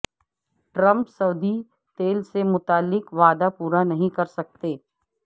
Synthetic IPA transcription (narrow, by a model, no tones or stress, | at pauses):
ʈɾə̃mpsɐʊd̪ʱi | t̪eːlsemʊt̪aːlːɪkʋaːd̪apuːɾanɐɦĩkɐɾsɐk̚t̪eː